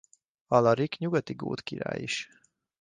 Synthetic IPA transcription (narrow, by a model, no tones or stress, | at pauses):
ɒlɒɾikɲuɡɒt̪iɡo̰ːt̪kiɾa̰ːjḭʃ